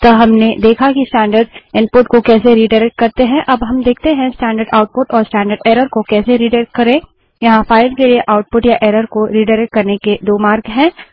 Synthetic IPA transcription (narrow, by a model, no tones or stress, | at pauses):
t̪oɦɐmned̪eːkʰakisʈɛ̃ːɳɖəɾɖɪ̃npʊʈkokɛːseɾiːɖɐɾɛk̚ʈ̚kɐɾt̪eɦɛ̃ʔɐbɦɐmd̪eːk̚ʰt̪eɦɛ̃sʈɛ̃ːɳɖəɾɖaːʊʈ̚pʊʈɔːɾsʈɛ̃ːɳɖəɾɖeːɾəɾkokɛːseɾiːɖɐɾɛkʈkːɐɾẽː | jɐɦãfaːɪɖkelieʔaːʊʈ̚pʊʈjaʔeːɾəɾkoɾiːɖɐɾɛk̚ʈ̚kɐɾneked̪oːmaːɾɡɦɛ̃ː